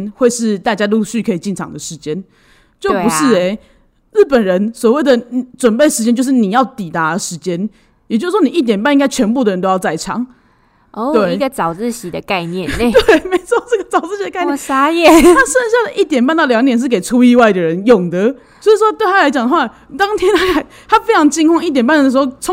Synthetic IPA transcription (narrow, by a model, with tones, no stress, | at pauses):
nxwe˥˧ɪʂɻ̩˥˧t̪a˥˩t͡ɕja˥lu˥˧ɕy˥˩kʰɤ˧˥i˨˩t͡ɕi˥˩nʈ͡ʂʰɑ̰˨˩ŋd̪ə˩ʂɻ̩˧˦t͡ɕjɛ˦n | t͡ɕjo˥˩ʊpu˧˦ʂɻ̩˥˧e˧˩ɪ | ɻ̩˥˩pə˨˩nɻə˧˦nswɔ˨˩we˥˩ɪd̪ə˩ʈ͡ʂwə˨˩npe˥˩ɪʂɻ̩˧t͡ɕɛ˥nt͡ɕjo˥˧ʂɻ̩˥˩ni˨˩jɑ˥˩ʊt̪i˨˩t̪a˨˦ə˨ʂɻ̩˧˦˥t͡ɕjɛ˦˥n | jt͡ɕjo˥˧s̩˥˩wɔ˥ni˨˩ʔi˥˩t̪jɛ˨˩np̬a˥˧ni˥ŋɡa˥ɪt͡ɕʰɥɛ˧˥npu˥˩d̪ə˨ɻə˧˦nt̪o˥ʊjɑ˥˧ʊt͡sa˥˩ɪʈ͡ʂʰɑ̰˨˩˦ŋ˧˥˧ | wee˥˩ɪi˧ɡə˨t͡sɑ˨˩ʊt͡s̩˥˨ɕi˨˦d̪ə˧ka˥˧ɪnjɛ˥˨t̪we˥˩me˧˥ɪt͡sʰwɔ˥˩ʈ͡ʂə˥˩ɡə˩t͡sɑ˨˩ʊt͡sɹ̩˥˩ɕi˧˥d̪ə˧ka˥˧nja˥jɛ˥˨a˦˥ʂə˥˧nɕ̬ja˥˩d̪ə˨ʔi˥˩t̪jɛ˨˩npa˥˧nt̪ɑ˥˩ʊljɑ˧˥ŋt̪jnʂ̬̩˥˩ke˨˩ɪt͡sʰu˦i˥˧wa˥˩ɪd̪ə˩ɻə˨˦njɔ˨˩ŋd̪ə˨ | sjo˥˧˥ʂɻ̩˥˩ʂwɔ˥t̪we˥˩ɪa˥la˧˥t͡ɕɑ˨˩ŋd̪ə˩xwa˥˩ | t̪ɑ˥ŋt̪ʰjɛ˥nt̪ʰa˥kʰa˧˩ɪ | t̪ʰa˦˥fe˥ɪʈ͡ʂʰɑ˧˥ŋt͡ɕi˥ŋkʰwɑ˥˧ŋi˥˩t̪̬jɛ˨˩npa˥nə˨d̪ə˩ʂɻ̩˧xo˥˩ʊt͡sʰɔ˥˦